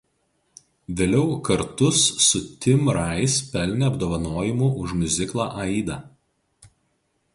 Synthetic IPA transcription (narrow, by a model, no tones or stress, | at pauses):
ʋʲeːlʲɛʊkɐɾt̪ʊsːʊt̪ʲɪmɾɑˑɪspʲɛlʲnʲɛɐbd̪oːʋɐnoːjɪmuʔʊʒmʲʊzʲɪklˠaːʔɐɪd̪ɐːˑ